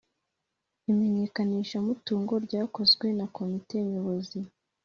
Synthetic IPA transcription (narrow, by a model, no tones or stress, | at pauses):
ime̞ɲe̞kaniːʃamutuːŋɡo̞ɾɟaːko̞zɡwe̞nakʰo̞mite̞ɲoβo̞zi